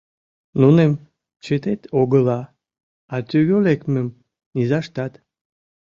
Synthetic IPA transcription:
nunem | t͡ɕet̪et̪oɣəlɑ | ɑt̪yɣølekmə̆m | nizɑʃt̪ɑt̪

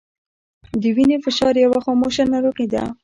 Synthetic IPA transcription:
d̪əwinefɪʃɑɾjawaxomoʃanːaɾoqid̪a̰

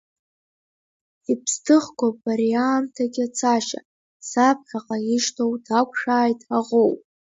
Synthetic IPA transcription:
ipʰstʰɨχkʷaaɾiantʰaɡʲat͡sʰaʃa̰ | sap̚ʰħaqʼaiʃtʰowdʰakʷʼʰʂaːjtʰʼaʁowpʼ

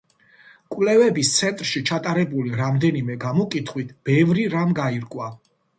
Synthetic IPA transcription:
kʼwlɛvɛbist̪sʰɛnt̪ʼɾʃit͡ʃʰat̪ʼaɾɛbuliɾamd̪ɛnimɛɡamɔkʼit̪ʰχwit̪ʰb̥ɛvɾiɾamɡaiɾkʼwa

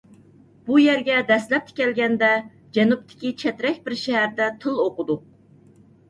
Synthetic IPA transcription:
b̥ujɛɾɡʲɛd̪ɛslɛp̚t̪ʰɪ̥kʲɛlɡʲɛnd̪ɛ | d͡ʒɛnup̚t̪ʰɪ̥kʲit͡ʃʰɛt̪ɾɛkʲbɪɾʃɛɦæɾd̪ɛt̪ʰɨlˠoqʊd̪u

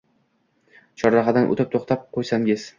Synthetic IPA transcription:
t͡ʃʰɒɾɾɑχɑd̪anʔo̰t̪ʰɪp̚t̪ʰoχt̪ʰap̚qʰojsaŋɪz̥

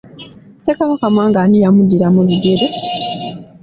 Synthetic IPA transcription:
sekamakamwaːŋɡaːnijamudiɾamuluɡeɾe

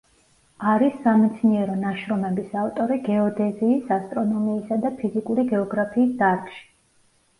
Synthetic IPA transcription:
aɾisːamɛt̪sʰniɛɾɔnaʃɾɔmɛbisaft̪ʼɔɾiɡɛɔd̪ɛziːsast̪ʼɾɔnɔmiːsad̪apʰizikʼuɾiɡɛɔɡɾapʰiːsd̪aɾkʼʃi̥

